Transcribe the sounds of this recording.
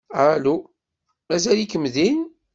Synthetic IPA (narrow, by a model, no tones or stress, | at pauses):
alu | mæzælikəmðin